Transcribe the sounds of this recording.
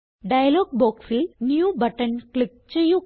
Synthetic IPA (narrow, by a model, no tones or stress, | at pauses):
ɖɐjɐloːɡ̚boːkfilnjuːbɐʈːɐnkɭik̚t͡ɕejːu